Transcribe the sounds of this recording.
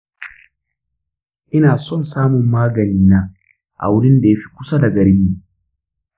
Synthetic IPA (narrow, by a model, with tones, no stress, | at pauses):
ʔɪ˦naː˨sɔ˦˨nsaː˦mʊ˨mːaː˦ɡɐ˨niː˦naː˦ | ʔa̰˨wʊ˦ɽɪ˦nda˨ja˦ɸi̥˦kʷʊ˦sa˦da˨ɡɐ˨ɾɪ˦mːu˨